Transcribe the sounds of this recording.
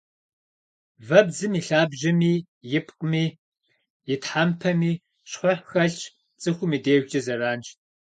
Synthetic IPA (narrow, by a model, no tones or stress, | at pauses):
vɐbzɨmiɬaːbʒɐmiː | jɪpʰqʼəmiː | jɪtħampʰɐmiː | ɕħʷʊħxɐɬt͡ʃʼ | t͡sʼɨxʷʊmiːdeːʒʷt͡ʃʼɐzɐɾaːnt͡ʃ